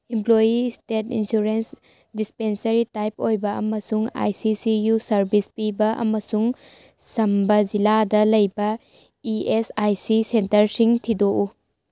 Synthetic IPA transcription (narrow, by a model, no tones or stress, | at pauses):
implojistetḭnsuɾens | dispensɐɾitajpojbɐʔɐ̰mɐsuŋa̰jsisijusɐɾbispibɐʔɐ̰mɐsuŋ | sɐmbɐd͡ʒiladɐlɐjbɐ | iesajsisentɐɾsiŋtʰidoʔu